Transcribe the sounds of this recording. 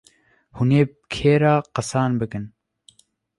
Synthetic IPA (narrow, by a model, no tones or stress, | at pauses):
huneː | kʰeːɾɑːqɑsɑːnbɨkɨn